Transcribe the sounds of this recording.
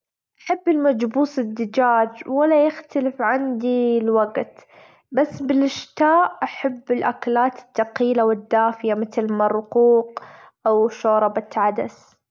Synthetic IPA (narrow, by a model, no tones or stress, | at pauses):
ʔaħabːɪlmad͡ʒbuːsˤɪd̪ːɪd͡ʒaːd͡ʒwalːajɪxt̪alɪfʕand̪ilwaɡt̪ | basːbɪlʔɪʃt̪aːʔʔaħabːɪlʔaklaːt̪ɪ̥t̪ːaqiːlawɪd̪ːaːfɪjamɪt̪lmarˤːʊquːq̚ | ʔawʃoːɾˤɑbat̪ʕad̪as